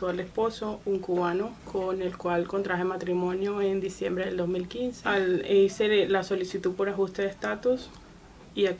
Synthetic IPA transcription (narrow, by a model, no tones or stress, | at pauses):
oalespo̞souŋkuβanokʰonelkwalko̞nt̪ɾaxemat̪ɾimõ̞njoend̪isje̞mbɾeðeld̪ozmilkinseeselaso̞lisit̪uðpo̞ɾaxust̪eðest̪at̪us | ia